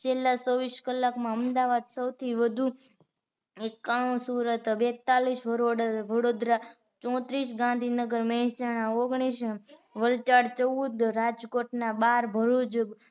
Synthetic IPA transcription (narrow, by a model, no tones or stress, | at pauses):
t͡ʃʰelːasoʋiʃkəlːakmãəmd̪aʋad̪səwt̪ʰiʋəd̪ʱu | ekaɽ̃ũsuɾət̪bet̪ːalisʋəɾoɽəʋəɽod̪ɾa | t͡ʃɔ̃t̪ɾiʃɡãnd̪ʱinəɡəɾmɛɦt͡ʃaɽ̃aoɡɽ̃isʋəlt͡ʃaɽt͡ʃəʋud̪ɾad͡ʒkoʈnabaɾbʱəɾud͡ʒ